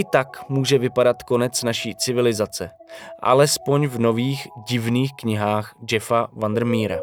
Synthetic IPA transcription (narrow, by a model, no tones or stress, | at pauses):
ʔɪt̪akmuːʒɛvɪpadat̪ko̞nɛt͡snaʃiːt͡sɪvɪlɪzat͡sɛ | ʔa̰lɛspo̞ɲvno̞viːxɟɪvniːxkɲɪɦaːxd͡ʒɛfavand̪ɾmiːɾa̰